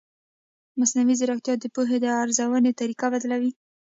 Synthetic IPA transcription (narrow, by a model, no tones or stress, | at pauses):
masnawizɪɾakt̪jɑd̪əpuɦed̪əaɾzawənet̪aɾikabad̪lawi